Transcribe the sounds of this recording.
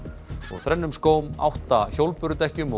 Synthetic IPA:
ɔɣθɾɛnːʏmskoːwma̰wht̪açowlpʏɾʏt̪ɛhcʏmɔ

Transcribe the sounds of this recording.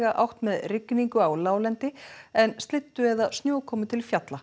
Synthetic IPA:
ɣaʔawht̪mɛðrɪkːniŋkʏawlaːwlɛnt̪ɪɛnst̪lɪt̪ːʏɛðast̪njoːwkʰɔːmʏt̪ʰɪlfjat̪la

